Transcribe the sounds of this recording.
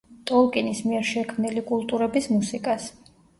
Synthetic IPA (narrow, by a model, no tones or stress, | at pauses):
t̪ʼɔlˠkʼinismiɛɾʃɛkʰmnilikʼulˠt̪ʼuɾɛbismusikʼas